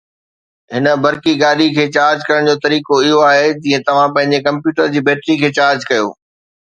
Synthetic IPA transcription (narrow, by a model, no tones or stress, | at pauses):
ɦɪnə̆bɐɾkiɡaːɗikʰeːt͡ɕaːɾd͡ʑkɐɾəɽ̃d͡ʑoːt̪ɐɾiːkoɪɦoaːɦed͡ʑĩːẽt̪ɐʋ̤ãpɐ̃ɦɪ̃ɲ̆d͡ʑekɐ̃mpjuːʈəɾd͡ʑiːbeːʈɾikʰeːt͡ɕaːɾd͡ʑkɐjo̰ː